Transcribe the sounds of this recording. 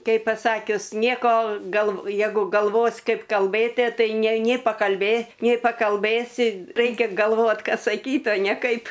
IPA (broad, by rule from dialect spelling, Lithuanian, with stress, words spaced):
ˈkʲɛɪp pɐˈsɑːkʲʊs ˈnʲiɛkoː ˈɡɐlˠ ˈjɛɪɡʊ ɡɐlˠˈʋoːs ˈkɐɪp kɐlˠˈbɘtʲiɛ ˈtɐɪ ˈnʲɛ ˈnʲɪ pɐkɐlʲˈbʲeː nʲɛɪ pɐkɐlˠˈbɘsʲɪ ˈrɐɪkʲɛ ɡɐlˠˈʋoːtʲ ˈkɐs sɐˈkʲiːtʲ oː nʲɛ ˈkɐɪp